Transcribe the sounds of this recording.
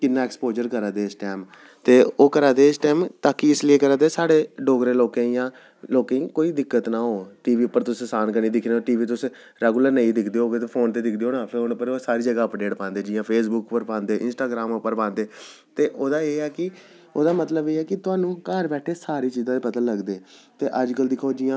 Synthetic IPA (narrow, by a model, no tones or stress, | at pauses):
kɪnːaːɛːkspoːd͡ʒəɾkəɾãːd̪eːɪsʈɛːm | t̪eːoːkəɾãːd̪eːɪsʈɛːmt̪aːkiːɪslɪeːkəɾãːd̪eːsaːɽeːɖoːɡɾeːloːkẽːjãː | loːkẽĩːkoːiːd̪ɪkːət̪naːɦoːʈiːʋiːʊpːəɾt̪ʊssaːnkəɾniːd̪ɪkʰneoːʈiːʋiːt̪̬ʊs | ɾɛːɡuləɾnəĩːd̪ɪkʰd̪eːoːɡet̪eːpʰoːnt̪eːd̪ɪkʰd̪eːɦoːnaːpʰɪɾʊnpːəɾosaːɾiːd͡ʒəɡaːəpɖeːʈpãːnd̪eːd͡ʒɪːãːpʰeːsbʊkpəɾpãːnd̪eːʔɪ̰nsʈaːɡɾaːmʊpːəɾpãːnd̪eː | t̪eːʔoːd̪aːeːɛːkɪ | oːd̪aːmət̪ləbeːɛːkɪt̪ʊaːnũːkəɾbɛːʈʰeːsaːɾiːt͡ʃiːzãːd̪eːpət̪ãləɡd̪eːt̪eːʔəd͡ʒkəld̪ɪkʰoːd͡ʒɪjãː